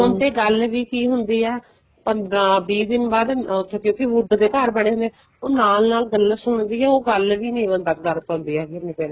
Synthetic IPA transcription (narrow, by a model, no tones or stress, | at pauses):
ʊnt̪eːɡəlʋiːkiːɦʊnd̪iːɛː | pəbiːd̪ɪnbaːd̪t̪ʰːkjõːkɪʋʊɖd̪eːkəɾbəɽeːɦʊnd̪ɛː | oːnaːlnaːlɡəlːsʊɳd̪iːɛːoːɡəlʋiːnẽːʋənd̪ək̚d̪əɾt̪ːnd̪iːɛːkɪɾnĩpɛːnː